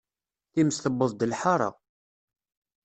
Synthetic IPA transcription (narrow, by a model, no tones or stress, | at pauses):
θiməsθəbːəðˤd̪əlħaɾˤɑ̰